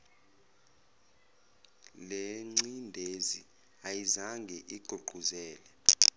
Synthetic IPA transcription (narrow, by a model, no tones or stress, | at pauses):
leŋ͡ǀindʱezi | ajizaŋɡʱɛʔiɡ̥ʱoɡ͡ǃʱuzɛːlɛ